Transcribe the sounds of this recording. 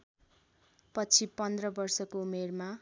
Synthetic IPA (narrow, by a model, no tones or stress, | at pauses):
pʌt͡sʰipʌnd̪rʌbʌrsʌkoumerma